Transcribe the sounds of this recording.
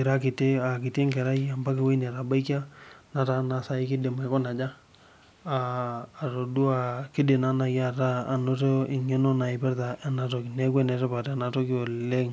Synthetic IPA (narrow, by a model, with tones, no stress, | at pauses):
ɪ˨ɾa˦kɪ˨te˦a˨kɪ˨te˦ŋkɛ˨ɾa˦ja˨mba˦kɪ˨we˦nɛ˨ɾa˨ba˦i˦ka˦na˨ta˦na˨sa˦ɪ˦kɪ˦de˨ma˨˦kɔ˦na˨d͡ʒa˦ | aː˨ɾo˨du˦a˨kɪ˦de˨na˦na˨ja˦˨taː˦˨no˦to˦ɪ˨ŋɛ˦no˦na˨ɪ˨pɛ˦ɾta˨ʔa˨na˨to˨knɛ˦kwɛ˦nɛ˨tɛ˦pa˨ta˨na˨to˦ko˨le˦ŋ